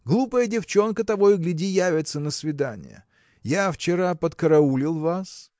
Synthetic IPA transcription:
ɡlˠupəjədʲɪft͡ɕo̞nkət̪ɐvo̞jʊɡlʲɪdʲijavʲɪt̪sənəsvʲɪd̪anʲɪ̰jə̰ | jaft͡ɕɪɾapət̪kəɾɐulʲɪlˠvas

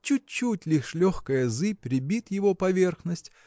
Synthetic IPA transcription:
t͡ɕut͡ɕːutʲlʲiʂlʲoxkəjəzɨpʲɾʲɪbʲit̪jɪvopɐvʲe̞rxnəsʲtʲ

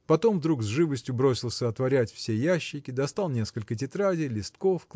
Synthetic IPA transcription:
pɐt̪o̞mvd̪ɾuɡzʐɨvəsʲtʲjʊbɾo̞sʲɪlˠsʲəɐt̪vɐɾʲætʲfsʲe̞jæɕːɪkʲɪd̪ɐst̪alˠnʲe̞skəlʲkət̬ʲɪt̪ɾadʲɪjlʲɪst̪ko̞fk

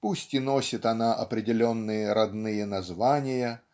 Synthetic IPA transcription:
pusʲtʲɪno̞sʲɪt̪ɐnaʔɐpɾʲɪdʲɪlʲonːɨjəɾɐd̪nɨjənɐzvanʲɪjə

